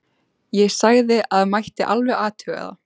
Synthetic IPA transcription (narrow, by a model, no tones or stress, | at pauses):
jɛɣsaɣðɪʔaðmajht̪ɪʔalvɛɣaːt̪ʰœːɣa̰ða̰